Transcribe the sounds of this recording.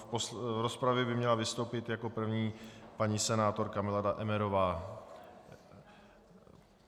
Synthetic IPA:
posvɾospɾavjɛbɪmɲɛlavɪst̪owpɪt̪jako̞pr̩vɲiːpaɲiːsɛnaːt̪o̞ɾkamɪladaʔɛmɛɾo̞vaː

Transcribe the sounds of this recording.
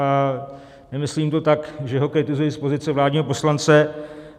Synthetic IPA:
a | nɛmɪsliːmt̪o̞t̪akʒɛɦo̞kɾɪt̪ɪzujispo̞zɪt͡sɛvlaːdɲiːɦo̞p̬o̞slant͡sɛ

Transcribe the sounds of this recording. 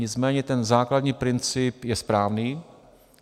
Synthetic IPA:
ɲɪt͡smɛːɲɛt̪ɛnzaːkladɲiːpɾɪnt͡sɪpjɛspɾaːvniː

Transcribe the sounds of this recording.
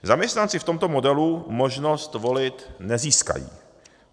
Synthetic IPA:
zamɲɛst̪nant͡sɪft̪o̞mt̪o̞mo̞dɛlumo̞ʒnost̪vo̞lɪt̪nɛziːska̰jḭː

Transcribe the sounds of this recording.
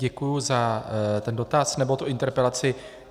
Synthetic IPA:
ɛkujuzat̪ɛndo̞t̪asnɛbo̞t̪uʔɪnt̪ɛɾpɾɛlat͡sɪ

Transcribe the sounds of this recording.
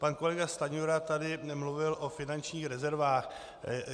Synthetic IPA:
panko̞lɛɡast̪aɲoɾat̪adɪmluvɪlʔo̞fɪnant͡ʃɲiːxɾɛzɛɾvaːx

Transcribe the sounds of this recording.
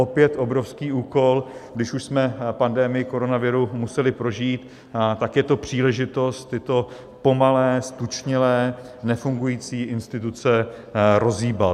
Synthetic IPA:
opjɛt̪ʔo̞bɾo̞fskiːuːko̞lɡdɪʃuʃsmɛpandɛmɪjɪko̞ɾo̞navɪɾumusɛlɪpɾo̞ʒiːt̪ | t̪akjɛt̪o̞pr̝̥iːlɛʒɪt̪o̞st̪jɪt̪o̞ | po̞malɛːst̪ut͡ʃɲɪlɛː | nɛfuŋɡujiːt͡siːʔɪnst̪ɪt̪ut͡sɛ | ɾo̞ziːba

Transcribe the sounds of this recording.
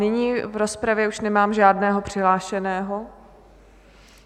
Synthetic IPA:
nɪɲiːvɾospɾavjɛuʃnɛmaːmʒaːdnɛːɦo̞pr̥ɪɦlaːʃɛnɛːɦo

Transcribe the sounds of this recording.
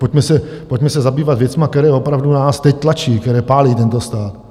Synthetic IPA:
poc̚mɛsɛ | poc̚mɛsɛzabiːvat̪vjɛt͡smakt̪ɛɾɛːo̞pɾavdunaːst̪ɛc̚t̪lat͡ʃiːkt̪ɛɾɛːpaːliːt̪ɛnt̪ost̪aːt̪

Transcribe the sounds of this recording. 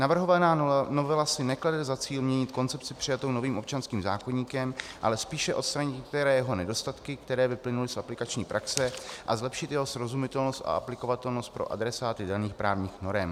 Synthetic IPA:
navr̩ɦovanaːnovɛlasɪnɛkladɛzat͡siːlmɲɛɲɪt̪ko̞nt͡sɛpt͡sɪpr̥ɪjat̪o̞wno̞viːmo̞p̚t͡ʃanskiːmza̰ːkoɲiːkɛmʔa̰lɛspiːʃɛʔo̞t̪st̪ɾaɲɪt̪ɲɛkt̪ɛɾɛːjɛɦo̞nɛdo̞st̪at̪kɪkt̪ɛɾɛːvɪplɪnulɪsʔaplɪkat͡ʃɲiːpɾʔaksɛʔazlɛpʃɪt̪jɛɦo̞sɾo̞zumɪt̪ɛlno̞st̪a̰ʔaplɪko̞vat̪ɛlnost̪̚pɾo̞̰ʔa̰dɾɛsaːt̪ɪdaniːxpɾaːvɲiːxno̞ɾɛm

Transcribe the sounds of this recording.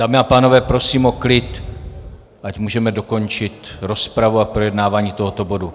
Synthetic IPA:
daːmɪapaːno̞vɛːpɾo̞siːmo̞klɪt̪ | ʔacmuːʒɛmɛdo̞ko̞nt͡ʃɪt̪ɾo̞spɾavuapɾo̞jɛdnaːvaːɲiːt̪o̞ɦo̞t̪o̞bo̞du

